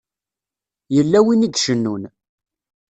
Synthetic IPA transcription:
jəlːæwinid̪ʃənːun

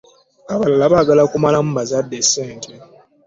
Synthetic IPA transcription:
aβalalaβaɡalakumalamubazadːeseːntʰe

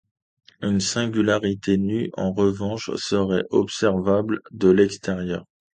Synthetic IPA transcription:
ynsɛ̃ɡʲylaʁit̪ʰenyɑ̰̃ʁəvɑ̃ʃsəʁɛ̰ʔɔpsɛʁvabld̪əlɛkst̪ɛʁjœːʁ

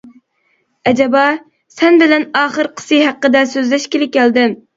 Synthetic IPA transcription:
ɛd͡ʒɛbɑ | sɛnbɪlɛnɑːχəɾqʰə̥sɨɦæqːəd̪ɛsøzlɛʃkʲelɪp̚ʲkʲʰːɛld̪ɪm

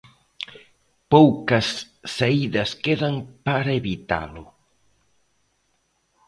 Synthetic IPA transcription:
powkɐsː | aiðɐskeðɐŋpaɾɐeβit̪a̰lʊ

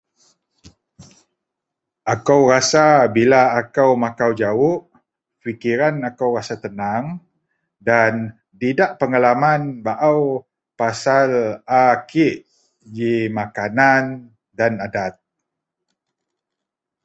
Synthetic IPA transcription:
ʔakawrasabilaːkawmakawd͡ʒawʊʔ | fikiɾanakawrasat̪ənaŋ | dan | t̪idaʔpəŋalamanbaʔaw | pasalakiʔ | d͡ʒimakanan | danadat̪̚

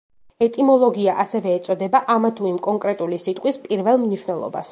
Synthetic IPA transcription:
ɛt̪ʼimɔlˠɔɡiaʔasɛvɛːt̪sʼɔd̪ɛbaʔamat̪ʰuimkʼɔŋkʼɾɛt̪ʼulisit̪ʼqʼwispʼiɾvɛlˠmniʃwnɛlˠɔ̰ba̰s

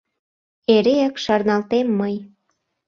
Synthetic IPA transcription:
eɾeəkʃɑrnɑlt̪emːəj

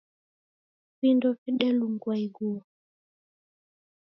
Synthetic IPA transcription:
pindɔfɛɗɛluŋɡwaiɡuɔ

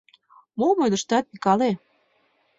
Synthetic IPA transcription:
momod̪ə̆ʃt̪ɑt̪̚pikɑle

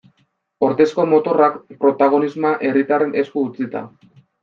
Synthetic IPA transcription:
o̞ɾðe̞sko̞mo̞t̪o̞rakpɾo̞t̪aɣ̞o̞nizmaʔe̞rit̪are̞ne̞skuːt͡sit̪a̰

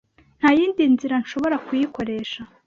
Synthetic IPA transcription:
n̥hajiːndinziɾanʃo̞βo̞ɾakujiko̞ɾe̞ːʃa

